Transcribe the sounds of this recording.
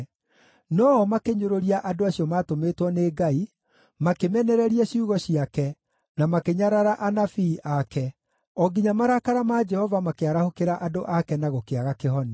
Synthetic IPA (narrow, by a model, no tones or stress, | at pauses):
nɔːmakeɲoɾoɾiaʔadoaɕiɔmaːtometwɔneːɡai | makemɛnɛɾɛɾiɛɕiuɣɔɕiakɛ | namakeɲaɾaɾaʔanafiːʔakɛ | ɔɡiɲamaɾakaɾamaːd͡ʒɛhɔvamakeaɾahokeɾaʔadoʔakɛnaɣokeaɣakehɔne